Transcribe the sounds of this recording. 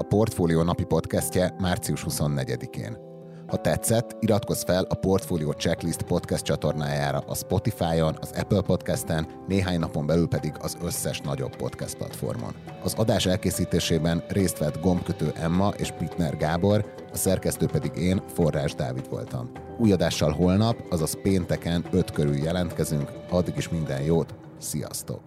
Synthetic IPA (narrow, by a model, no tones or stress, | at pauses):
ɒpo̞rt̪foːlioːnɒpipo̞t̪kɛscɛmaːrt̪siuʃhuso̞nːɛɟɛd̪ikḛːn | hɒt̪ɛt̪sɛt̪ːiɾɒt̪ko̞sfɛlʔɒpo̞rt̪foːlioːt͡ʃɛklist̪po̞t̪kɛst̪̚t͡ʃɒt̪o̞rnaːjaːɾɒ̰ʔɒspo̞t̪ifaːjo̞nɒzɛ̰pəlpo̞t̪kɛst̪ɛnːeːɦaːɲnɒpo̞mbɛlylpɛd̪iɡɒzø̞sːɛʃnɒɟo̞̰bːo̞̰t̪kɛ̰st̪plɒ̰t̪fo̞̰rmo̰n | ɒzɒd̪aːʃɛlkeːsiːt̪eːʃeːbɛnreːst̪ʋɛd̪ɡo̞mpkøt̪øːʔɛmːɒʔeːʃpit̪nɛrɡaːbo̞r | ɒsɛrkɛst̪øːpɛd̪iɡeːnfo̞rːaːʒd̪a̰ːvid̪ʋo̞̰lt̪ɒ̰m | uːjɒd̪aːʃːɒlɦo̞lnɒpɒzɒzpeːnt̪ɛkɛnø̞t̪køɾyljɛlɛnt̪kɛzyŋkɒd̪ːiɡiʃmind̪ɛnjoːt̪ | sijɒ̰st̪o̰k